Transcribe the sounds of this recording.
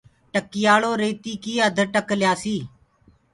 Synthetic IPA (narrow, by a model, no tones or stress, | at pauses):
ʈəkɪjaːɭoːɾeːt̪iːkiːəd̪ʱəʈəkljaːsiː